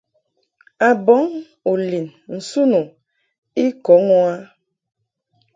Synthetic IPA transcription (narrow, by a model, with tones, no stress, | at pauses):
a˨bɔ˨˦ŋ | o˨li˨nn̩˨su˦nu˨ | i˦kɔ˨˦ŋɔ˦a˦